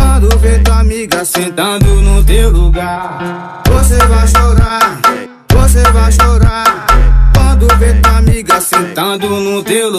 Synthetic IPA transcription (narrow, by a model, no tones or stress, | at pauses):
ãːd̪uːbeːt̪ãːmĩːɡɐsẽt̪ãːd̪uːnũːd̪eːluːɡaː | t̪oːs̬eːbaːʃoːɾaː | t̪oːs̬eːbaːʃ̬oːɾãːt̪ãːd̪uːbeːt̪ãːmiːɡɐsẽt̪ãːd̪uːnũːd̪eːl